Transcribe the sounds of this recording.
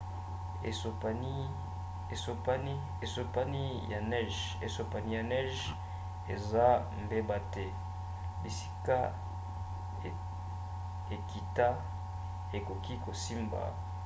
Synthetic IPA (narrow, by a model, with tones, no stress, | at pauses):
ḛ˨so˨pa˨ni˦ | e˨so˨pa˦ni˦ | e˨so˨pa˦ni˦ja˨nɛ˦ʒ | e˨so˨pa˨ni˦ja˨nɛ˦ʒ | e˨za˦ | mbe˦ba˦˨tɛ˦ | bi˨si̥˦ka˦˨ | e˨ki˨ta˦ | e˨ko˨ki˦ko˨si˦mba̰˨